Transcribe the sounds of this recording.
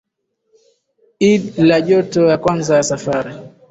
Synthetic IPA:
iɗlaʄɔtɔjakwanzajasafaɾi

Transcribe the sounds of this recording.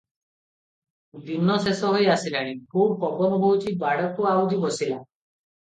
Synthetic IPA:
d̪inːɔsesɔɦojasilaɽ̃ikʰubpɔbɔnɔboɦut͡ʃʰibaɽɔkuawd͡ʒibɔsila

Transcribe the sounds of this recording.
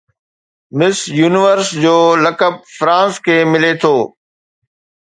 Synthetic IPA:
mɪsjuːnɪʋəɾsd͡ʑoːləkəb̚fɾãːskʰeːmɪlet̪ʰoː

